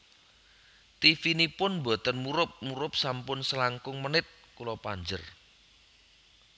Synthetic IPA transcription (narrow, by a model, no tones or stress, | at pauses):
t̪ifinipʊnmbɔt̪ənmuɾʊp̚muɾʊp̚sampʊnsəlaŋkʊŋmənɪt̪̚kulopaɲd͡ʒə̰r